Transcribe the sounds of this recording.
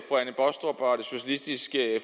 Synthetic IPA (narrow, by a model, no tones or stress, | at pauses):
fɑænəb̥ɒsd̥ɒb̥ɑd̥e̝so̝ɕælisd̥isɡ̥əf